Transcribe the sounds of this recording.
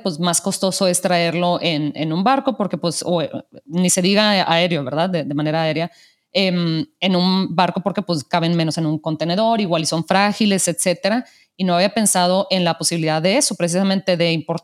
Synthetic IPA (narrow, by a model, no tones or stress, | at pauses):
pwezmasko̞st̪o̞so̞e̞st̪ɾae̞ɾlo̞ʔe̞nḛnũmbaɾko̞po̞ɾke̞pwe̞sonise̞ðiɣaa̰e̞ɾjo̞βe̞ɾðaððeðemãne̞ɾaːe̞ɾja | eme̞nũnbaɾko̞po̞ɾke̞pwe̞skaβe̞nmẽ̞nose̞nũŋko̞nt̪e̞ne̞ðo̞ɾiɣwaliso̞ɱfɾaxile̞se̞t̪se̞t̪e̞ɾa | inoaβiape̞nsað̞o̞ʔe̞nlapo̞siβiliðaððe̞e̞so̞pɾes̬isament̪e̞ðe̞impo̞ɾ